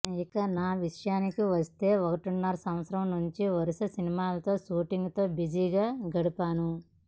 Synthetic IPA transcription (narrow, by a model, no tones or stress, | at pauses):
ikɐnaːʋiʂɐjaːnikiʋɐst̪e̞ːɔkɐʈunːaːɾɐsɐm̃ʋɐt̪sɐɾɐmnuɲt͡ʃiʋɐɾusɐsinimaːlɐt̪o̞ːʃuːʈiŋɡt̪o̞ːbid͡ʒiːɡaːɡɐɽupaːnu